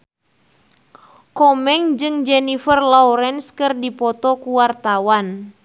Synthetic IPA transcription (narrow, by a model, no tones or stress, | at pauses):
kɔmɛŋd͡ʒɨŋd͡ʒɛnifərlauɾɛnskɨrdipɔt̪ɔkuwart̪awan